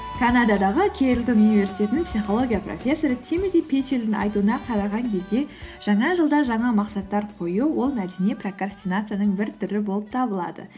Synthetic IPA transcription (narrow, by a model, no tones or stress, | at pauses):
kʰanad̪ɑd̪ɑʁəkʲʰeɾɪlt̪onunivʲe̞ɾsi̥jt̪ʲe̞t̪ɪnɪŋpsiχo̞lˠo̞ɡʲijapro̞̰fʲe̞sːo̞ɾət̪ʲʰimed̪ijpʰet͡ʃeld̪ɪnɑ̰jt̪uənɑqʰɑɾɑʁɑŋkʲʰe̞zd̪e̞ʒ̥ɑɴɑʒəlˠd̪ɑʒɑɴɑmɑqsɑt̪ːɑɾqʰo̞juwo̞lˠmæd̪eniepro̞krasʲt̪ʲinat̪sɨjanəɴbɪɾt̪ʰʏɾɪbo̞lˠəp̚t̪ʰɑbəlˠɑ̰d̪ə̰